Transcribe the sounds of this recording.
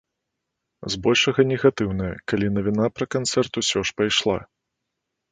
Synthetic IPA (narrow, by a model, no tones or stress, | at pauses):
zbɔlʲʂɐɣɐnʲɛɣat̪ɨwnɐjɐ̰kalʲinɐvʲinapɾɐkant̪sɛrt̪usʲɔʂpajʂlˠa̰